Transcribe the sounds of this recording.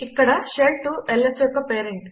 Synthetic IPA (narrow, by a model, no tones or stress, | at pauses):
ikːɐɽɐʃeːlʈ̚ʈuʔelːesjɔkːɐpeːɾeɳʈ